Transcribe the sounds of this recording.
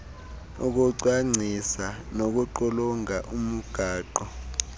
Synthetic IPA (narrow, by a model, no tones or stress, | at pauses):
uk̬uǀwaŋ͡ǀʱisanok̬uǃɔluŋaʔum̩ɡ̥ʱaːǃɔ